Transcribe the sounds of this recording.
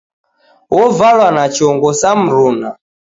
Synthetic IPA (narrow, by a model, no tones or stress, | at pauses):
wɔvalwanat͡ʃiɔŋɡɔsam̩ɾuːna